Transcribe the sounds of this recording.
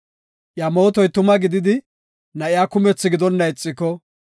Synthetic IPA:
ʔjamo̞ːt̪ɔjt̪ʊmɐɡɪd̪ɪd̪ɪ | nɐʔɪjaːkʊmɛt͡sːɪɡɪd̪ɔnːɐjt͡sʼːɪkɔ

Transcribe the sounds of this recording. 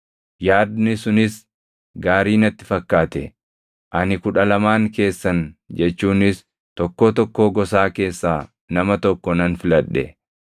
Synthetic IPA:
jaːd̪nɪsʊnɪs | ɡaːɾiːnɐt̪ːɪ̥fɐkːaːt̪ɛ̰ | ʔɐnɪkʊᶑɐlɐmaːŋke̞ːsːɐnd͡ʒɛt͡ʃːuːnɪs | t̪ɔkːoːt̪ɔkːo̞ːɡɔsaːke̞ːsːaː | nɐmɐt̪ɔkːɔnɐnfɪlɐᶑːɛ̰

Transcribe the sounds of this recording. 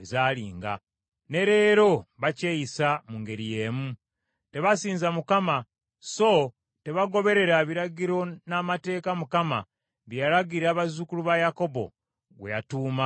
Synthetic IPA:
ezaːliːŋɡa̰ | ne̞ɾe̞ːɾo̞βacejisamuŋɡe̞ɾije̞ːmu | te̞βasiːnzamukama | so | te̞βaɡo̞βe̞ɾe̞ɾaβiɾaɡiɾo̞namate̞ːkamukama̰ | βjjalaɡiɾaːβazukuluβajako̞bo̞̰ | ɡwḛjatuːma

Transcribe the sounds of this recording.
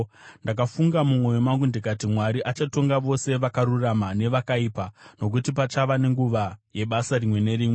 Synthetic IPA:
ndak̬afuŋɡamumwo̞jomaŋɡundekatimwaɾiʔat͡ʃato̞ŋɡaʋo̞se̞ʋakaɾuramane̞ʋakaiːpano̞k̬utipat͡ʃaʋane̞ŋɡuʋaje̞ɓasaɾimwe̞ne̞ɾiːmwe

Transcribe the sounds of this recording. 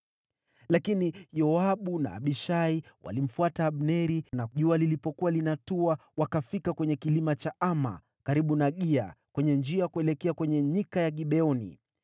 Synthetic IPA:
lakinijɔaɓuna̰ːɓiʃaiwa̰lim̩fuataːɓnɛɾinaʄualilipɔkuwalinatuawakafikakwɛɲɛkilimat͡ʃaʔama̰ | kaɾiɓunaɠia̰kwɛɲɛnd͡ʒiaakuɛlɛkɛakwɛɲɛɲikajaɠiɓɛɔnḭ

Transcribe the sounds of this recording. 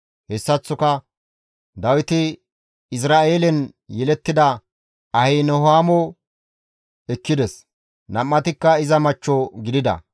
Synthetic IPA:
hɛsːɐt͡sːʊkɐ | d̪ɐwɪt̪ɪ | ɪs̬ɾaːʔeːlɛnjɛlɛt̪ːɪd̪ɐ | ɐhɛjnɔhaːmɔ | ɛkːɪd̪ɛs | nɐmːɐt̪ɪkːɐɪzɐmɐt͡ʃːɔɡɪd̪ɪd̪ɐ̰

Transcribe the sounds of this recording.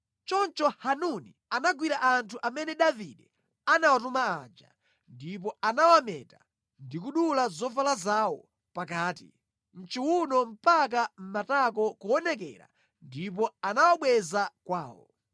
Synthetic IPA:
t͡ʃɔnt͡ʃɔhanuni | anaɡwiɾaʔantʰuʔamɛnɛɗaviɗɛ | anawatumaad͡ʒa̰ | ndip̬ɔanawamɛ̰ːta | ndikuɗulazɔvalazawɔ | pakaːtḭ | m̩t͡ʃiwunɔm̩pak̬am̩matak̬ɔkuɔnɛkɛ̰ɾa̰ | ndip̬ɔanawaɓwɛzakwaːwɔ̰

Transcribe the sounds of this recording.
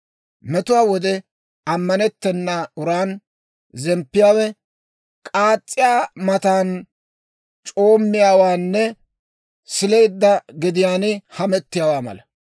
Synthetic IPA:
mɛt̪ʊwaːwɔd̪ɛ | ɐmːɐnɛt̪ːɛnːɐʊɾaːn | zɛmpːɪjaːwɛ | kʼaːt͡sʼːɪjaːmɐt̪aːn | t͡ʃʼo̞ːmːɪjaːwaːnːɛ | sɪle̞jd̪ːɐɡɪd̪ɪjaːnɪhɐmɛt̪ːɪjaːwaːmɐ̰lɐ

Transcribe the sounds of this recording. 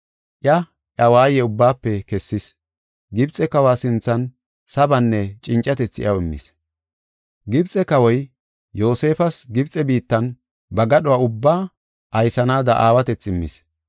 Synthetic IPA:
ʔjɐ | ʔɐwaːjɛʊbːaːpːɛkɛsːɪs | ɡɪbt͡sʼɛkɐwaːsɪnt͡sːɐn | sɐbɐnːɛt͡ʃʼɪnt͡ʃʼːɐt̪ɛt͡sːɪ̰ʔɐwɪmːɪ̰s | ɡɪbt͡sʼɛkɐwɔj | jo̞ːse̞ːfɐsɡɪbt͡sʼɛbiːt̪ːɐn | bɐɡɐɗɔwaːʊbːaː | ʔɐjsɐnaːd̪ɐʔaːwɐt̪ɛt͡sːɪmːɪ̰s

